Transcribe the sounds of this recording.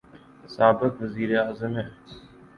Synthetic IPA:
saːbɪkʋəziːɾeaːzəmɦɛː

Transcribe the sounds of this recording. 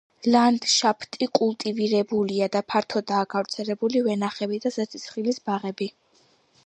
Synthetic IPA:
land̪ʃapʰt̪ʼikʼulˠt̪ʼiviɾɛbuliad̪apʰaɾt̪ʰɔd̪aːɡavɾt̪sʰɛlɛbulivɛnaχɛbid̪azɛt̪sʰit̪sʰχilisbaʁɛbi

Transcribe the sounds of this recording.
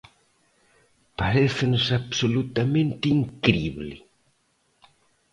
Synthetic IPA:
paɾeθɪnʊsaβsolut̪amẽnt̪iŋkɾiβlɪ̰

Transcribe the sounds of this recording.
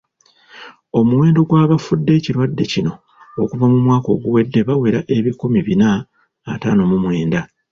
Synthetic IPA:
o̞muwe̞ːndo̞ɡwaːβafudːe̞ːciɾwadːe̞cino̞ː | kuvamumwaːko̞̰ɡuwe̞dːe̞βawe̞ɾaʔe̞βikomiβinaː | taːno̞mumwe̞ːnda

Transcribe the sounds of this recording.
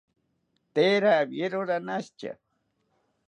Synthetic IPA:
t̪eːɾabjeɾoɾanast͡ʃa̰

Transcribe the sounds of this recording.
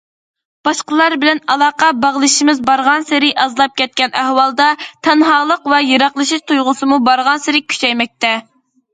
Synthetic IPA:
b̥ɑʃqəlˠɑɾbɪlɛnɑlˠɑːqɑbɑʁlˠɨʃimɪzbɑɾʁɑnsɪɾɪʔɑzlˠɑp̚kʲɛt̪̚kʲɛnæhwɑlˠd̪ɑt̪ʰɛnɦɑːlˠəqvɛjeɾɑχlˠɨʃiʃt̪ʰujʁʊsɨmubɑɾʁɑnsɪɾɪkʲʰy̥t͡ʃɛjmɛk̚ʲt̪ɛ

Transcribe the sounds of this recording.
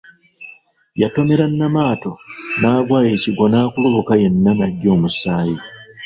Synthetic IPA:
jato̞me̞ɾanːamaːto̞naːɡwaːje̞ːciɡo̞naːkuloβokaje̞nːanaɟːo̞ːmusaːji

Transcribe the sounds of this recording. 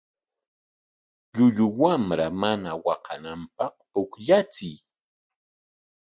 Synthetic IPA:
ʎʊʎʊwamɾamanawɑqɑ̰nampɑχpʊkʎat͡sɪj

